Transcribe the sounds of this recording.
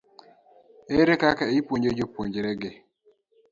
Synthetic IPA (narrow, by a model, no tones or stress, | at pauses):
eɾekakaepoɲd͡ʒed͡ʒopoɲd͡ʒɾɛɡɪ